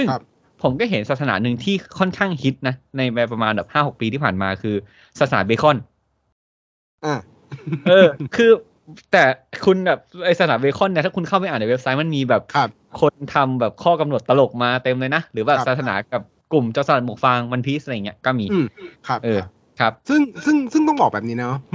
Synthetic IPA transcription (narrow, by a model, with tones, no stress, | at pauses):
sɯ˥˩ŋ | pʰo˩˦mkɔː˥˩ɦe˩˦nsaː˨˩t̪sʰa˧na̰ː˩˦˥nɯ˧ŋt̪ʰiː˥˩kʰɔ˥˩nkʰaː˥˩ŋhi˦˥t̪̚na˦˥na˧jma˧p̬ɾa˧maː˧nbɛː˨˩phaː˥˩ho˨˩k̚piː˧t̪ʰiː˥˩pʰaː˨˩nmaː˧kʰɯː˧ | sa˧˩t̪̚saː˩˦beː˧kʰɔ˥˩n | ʔa˧˩ | ʔʔɤː˧kʰɯː˧ | t̪ɛː˨˩kʰu˧nbɛː˨˩p̚ʔa˧jsa˧saː˩˦beː˧˥kʰɔ˥˩nːi˥˩aː˥˩kʰu˧nkʰa˥˩wpa˧˨jaː˨˩nʔa˨˧˩we˦˥p̚sa˦˥jma˧˥nmiː˧bɛː˨˩p̚ʰ | kʰo˧nt̪ʰa˧mbɛː˨˩p̚kʰɔː˥˩ka˧mnu˨˩ət̪ːa˧lo˨˩k̚maː˧t̪e˧mlɤː˧jna˦˥ɾɯː˩˦baː˨˩psaː˨˩t̪sʰa˧na̰ː˩˦ka˨˩p̚ | ku˨˩mt͡ɕa˧˨˩sa˨˩mo˨˩k̚fa˧ŋwa˧npʰiː˦˥sʔjŋi˦˥kɔː˥˩miː˧˩kʰʔɤː˧ | kʰɾa˦˥p̚sɯ˥˩ŋsɯ˥˩ŋsɯ˥˩ŋt̪ɔ˥˩ŋbɔː˨˩k̚bɛː˨˩ni˦˥na˦˧˥n˦˥